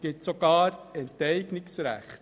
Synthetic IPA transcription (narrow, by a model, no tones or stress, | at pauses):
ɡ̥ɪtsɔɡ̥ɑːɾɛntɛɪɡnɪksɾæ̰χt